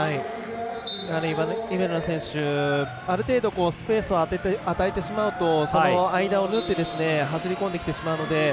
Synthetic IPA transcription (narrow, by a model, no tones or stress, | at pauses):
hai | anoibaibaɾɯnosẽ̞ɰ̃ɕɨ | aɾɯ̟t̪e̞ːd̪o̞ko̞ːsɨ̥pe̞ːsɨoaeat̪aet̪e̞ɕimaɯ̟t̪o̞sonoaid̪ao̞nɯt̪ːe̞d̪e̞sɨne̞ɦasiɾʲikond̪ekʲi̥t̪e̞ɕimaɯ̟no̞d̪e̞